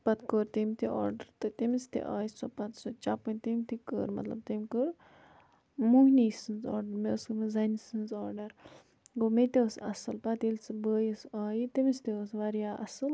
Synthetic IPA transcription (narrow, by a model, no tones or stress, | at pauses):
pɐt̪kəːɾt̪imt̪ʰiʔɔ̰ːɾɖɐɾt̪ɨt̪imist̪ḭʔaːjisopɐt̪sot͡ʃapɐnʲt̪imʲt̪ʰikə̰ːɾmɐ̰t̪lɐ̰b̚t̪emʲkəɾ | muɦnisɨnzɔ̰ːɾɖɐɾmesmizɐnisɨnzɔːɾɖɐɾ | ɡomet̪esɐ̰sɨlpɐt̪ilʲt͡sɨbəːjisaːjit̪imst̪eəsʋɐɾjaːʔɐ̰sɨl